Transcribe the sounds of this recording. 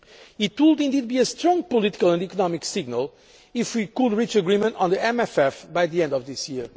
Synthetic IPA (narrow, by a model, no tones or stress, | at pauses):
it̪wud̪ĩnd̪id̪̚biɨst̪ɾɔ̃ŋɡ̚pʊlit̪i̥kəlˠə̃nd̪ikɔnɔmiksiɡnəlˠ | ifwikud̪ɹit͡ʃɨɡɹĩmə̃nt̪n̩ðiɛ̃mɛfɛfbajðiɛ̃nd̪ɔvðisjiɹ